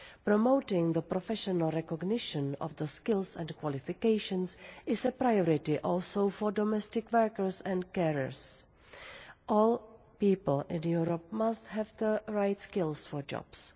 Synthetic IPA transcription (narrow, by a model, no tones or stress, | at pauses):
pɾomoʊtɪ̃ŋðəpɾɔfɛʃɔnalˠɾɛkɔɡnɪʃə̃nɔ̰fðəskɪlˠsɛ̃nkwɔlɪfɪkeɪʃə̃nsɪsəpɾajɔɹɪtɪʔɔlsowfɔdɔmɛstɪkwɜɹkəɹsɛ̃ntkɛɹə̰ɹs | ʔɔːl | piːpl̩ɪ̃njuɾɔp̚mastɦɛvðəɹajtskɪlsfɔd͡ʒɔ̰b̥s